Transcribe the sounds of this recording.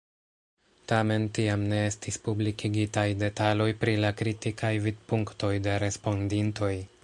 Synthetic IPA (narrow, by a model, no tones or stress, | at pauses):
tame̞ntiamne̞e̞stispublikʰiɡitajde̞talo̞jpɾilakɾitikʰajvid̚puŋkto̞jde̞ɾe̞spo̞ndinto̞j